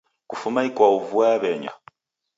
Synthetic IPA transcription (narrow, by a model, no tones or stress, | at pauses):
kufumaikwauvuaβɛɲa̰